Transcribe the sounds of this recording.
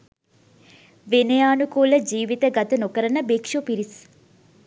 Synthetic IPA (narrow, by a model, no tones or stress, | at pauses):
ʋenejaːnukuːləd͡ʒiːʋit̪əɡat̪ənokəɾənəbekʂupiɾis